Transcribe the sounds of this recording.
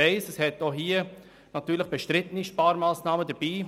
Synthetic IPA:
ɛɪsəshɛtoɦiːə | nɑtyːləχb̥ɛʃtɾɪtəniʃpaːɾmaːsnaːmədəbiː

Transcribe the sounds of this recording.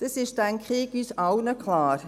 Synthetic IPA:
d̥əsɪʃdænkʁiːɡyːsɑwnəkʰlɑːɾ

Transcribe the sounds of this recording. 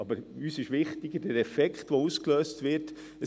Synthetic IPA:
ɑbəɾyːsɪʃʋɪχtɪɡəd̥ɛɾɛfɛkχtʋouskløːstʋɪɾt | ə

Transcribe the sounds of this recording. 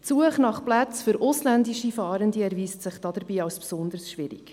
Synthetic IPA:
t͡suəχnɑχplæt͡sfʏɾʔʊslændiʃifɑːɾəndiɛɾviːstsɪχd̥ɑd̥əɾbiːɑwspsʊnd̪ərsʃʋɪɾɪ̰k

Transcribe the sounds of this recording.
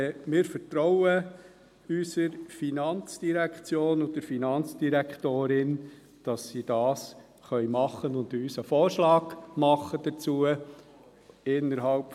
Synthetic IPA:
mɪːɾfəɾt̪ɾɔʊə | ysəɾfinɑnt͡sd̥iɾækʰt͡sjoːnʊdəɾfinɑnt͡sd̥iɾɛktoːɾɪn | d̥ɑsːid̥ɑːs | χœʏmɑχːənʊndyːsəfoːɾʃlɑːɡ̥mɑχːəd̥ət͡suːə | ɪnːəɾɦɑlp

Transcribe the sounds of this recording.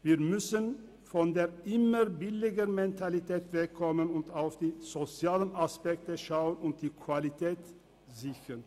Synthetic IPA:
viːɐmʏsən | fɔndeːɐʔɪməʁbɪlɪɡənmɛntʰalitʰɛːtv̥ɛkʰːɔmənʊntaʊfd̥iːz̥ot͡sjaːlənaspɛk̚təʃaʊənʊnt̚d̥iːkʰv̥alitʰɛːt | zɪçən

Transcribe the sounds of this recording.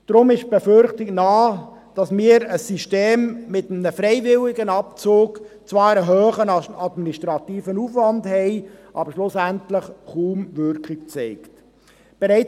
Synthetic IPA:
d̥ɾʊmɪʃb̥efʏɾχtɪknɑː | d̥ɑsmɪːəɾəsiʃteːmːɪtəmnəfɾɛɪvɪlɪɡənɑp̚t͡soːɡt͡sʋɑːɾəɦøːχənɑdminiʃtɾɑtiːfənuːfʋɑndhɛɪʔɑːbəɾʃlʊsæntləχχuːmʋʏɾkχɪkt͡sɛɪkt | b̥ɛɾɛɪ

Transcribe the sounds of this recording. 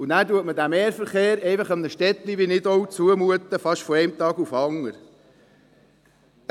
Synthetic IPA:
ʊnæːɾtuətməd̪æmeːɾfəɾχeːɾɛɪfɑχəmnəʃtɛt̪liʋinɪd̪oʊt͡suəmuət̪əfɑʃtfɔɛɪmt̪ɑːɡufɑŋːəɾ

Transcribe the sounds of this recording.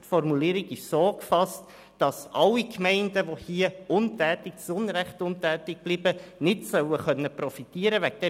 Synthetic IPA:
tfɔrmuliːɾiɡɪʃsoːkfɑst | d̥ɑsʔɑlːikmɛɪndəʋohiəʊntɛːtɪk̚t͡sʊnɾɛχtʊntɛːtɪɡ̚b̥liːbənɪtsœwəχœnːəpɾɔfitiəɾəʋækd̥ɛ

